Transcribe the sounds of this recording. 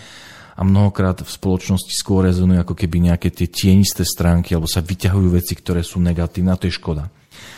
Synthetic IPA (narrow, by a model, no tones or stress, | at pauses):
ʔa̰mnɔɦɔkɾaːt̪fspɔlɔt͡ʃnɔsci̥skʊɔɾːɛzɔnujuakɔkɛbiɲɛakɛːt̪ɪɛcɪɛɲist̪ɛːst̪ɾaːŋkialɛbɔsaʋicaɦujuːʋɛt͡sikt̪ɔɾɛːsuːnɛɡat̪iːnɛːat̪ɔjɛʃkɔd̪a